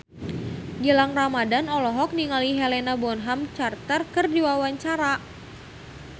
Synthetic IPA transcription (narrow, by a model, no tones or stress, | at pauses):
d͡ʒəlaŋramadanɔlɔɦɔk̚niŋaliɦelenabɔnɦamt͡ʃart̪ərkərdiwawaɲt͡ʃaɾa